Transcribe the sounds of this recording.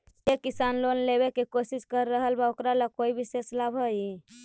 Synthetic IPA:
sekisanlonleβekekosiskəɾːəɦəlbaokɾalakoibʱiseslabʱɦəj

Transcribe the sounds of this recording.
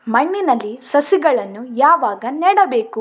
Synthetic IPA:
mɐɳːinɐlːisɐsiɡɐɭɐnːujaːʋaːɡɐniːɽɐbe̞ːku

